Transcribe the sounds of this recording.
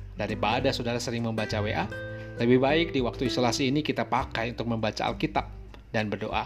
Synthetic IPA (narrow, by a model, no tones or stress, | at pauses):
daɾipadasodaɾasəɾɪŋməmbat͡ʃaweʔaləbɪhbaɪk̚diwak̚t̪uisolasiːnikit̪apakajunt̪ʊk̚məmbat͡ʃa̰a̰lkit̪ap̚ | danbərdo̰ʔa̰